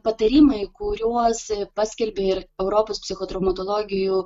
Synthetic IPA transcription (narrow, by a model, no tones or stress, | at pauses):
pɐt̪ɐɾʲiːmɐɪkʊɾʲuɔspɑːsʲkʲɛlʲbʲeːɪɾɛʊɾoːpoːspʲsʲɪxoːt̪ɾɐʊmɐt̪oːlˠoːɡʲɪjuː